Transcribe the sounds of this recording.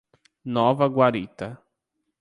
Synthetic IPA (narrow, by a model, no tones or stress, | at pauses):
nɔvɐɡwaɾit̪ɐ